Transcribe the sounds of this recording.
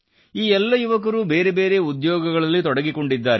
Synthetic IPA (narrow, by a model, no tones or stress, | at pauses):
iːɛlːɐjuʋɐk̬ɐɾube̞ːɾebe̞ːɾe̞ud̪jɔːɡɐɡɐɭɐlːit̪ɔɽɐɡikoɳɖid̪ːaːɾe